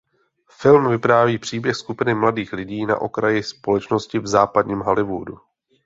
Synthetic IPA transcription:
fɪlmvɪpɾaːviːpr̝̥iːbjɛxskupɪnɪmladiːxlɪɟiːna̰ʔo̞̰kɾajɪspo̞lɛt͡ʃno̞scɪvzaːpadɲiːmɦalɪvṵdu

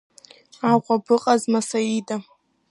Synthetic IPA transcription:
aqʷʼabɨqʼazmasaida

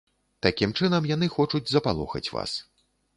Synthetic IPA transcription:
t̪akʲimt͡ʂɨnɐmjan̪ɨxɔt͡ʂud͡zʲzɐpalˠɔ̰xɐ̰t͡sʲva̰s

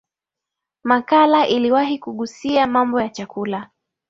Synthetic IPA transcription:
makalaʔiliwaɦikuɠusiamambɔjat͡ʃakula

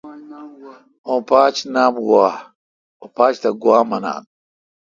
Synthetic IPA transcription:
õːpaːt͡ɕnaːmɡwaː | opaːt͡ɕt̪ɐɡwaːmɐna̰ːn

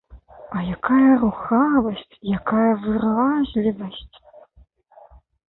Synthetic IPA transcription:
ajakʰajɐruxavɐɕtʰjakʰajɐvɨraʑlʲivɐɕtʰ

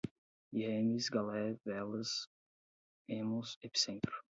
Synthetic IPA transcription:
iemisɡalɛvɛlɐz | emõzepi̥sẽnt̪ɾʊ

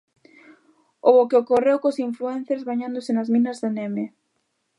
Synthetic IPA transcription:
ookeokorewkosiɱfluɛn̟θeɾzβaɲãnd̪osɪnazmĩnɐzðeneme

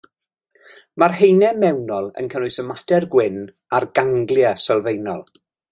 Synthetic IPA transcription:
marhejnɛmɛwnɔlˠə̰nkʰənʊjsəmadɛrɡwɪn | arɡaŋɡlˠjasəlˠvejnɔlˠ

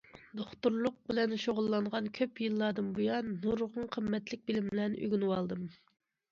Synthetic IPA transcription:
d̪oχt̪uɾlˠʊq̚bɪlɛnʃoʁʊlˠːɑɴʁɑnkʲʰøpjɨlˠːɑd̪ɨmbujɑnːuɾʁʊŋqʰəmːɛt̪lɪk̚ʲbɪlɪmbɪlɛnʔy̰ɡʲynɨwɑlˠd̪ɨm

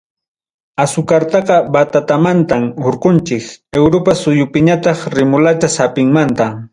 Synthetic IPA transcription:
asʊkaɾt̪ɑqɑbat̪at̪amant̪amoɾqʊnt͡ʃɪkewɾopasʊjʊpɪɲat̪ɑχɾɪmʊlat͡ʃasapɪŋmant̪a

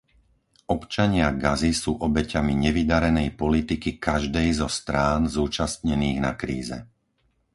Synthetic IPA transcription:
ʔɔpt͡ʃaɲɪaɡazisuːʔɔbɛcamiɲɛʋid̪aɾɛnɛjpɔlit̪ikikaʒd̪ɛjzɔst̪ɾaːnzuːt͡ʃast̪ɲɛniːɣna̰kɾiːzɛ̰

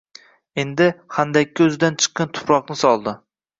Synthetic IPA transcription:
e̞nd̪ɪχand̪akʲːɪɵzɪd̪ant͡ʃʰɨ̥qːɑnt̪ʰʊ̥pɾɒqnɪsɒlˠd̪ɪ

